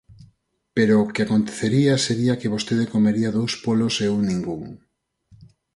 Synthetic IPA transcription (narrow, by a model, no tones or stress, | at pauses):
peɾoːkeakont̪e̥θeɾiaseɾiakeβ̞ost̪eðekomeɾiaðowspoloseunĩŋɡuŋ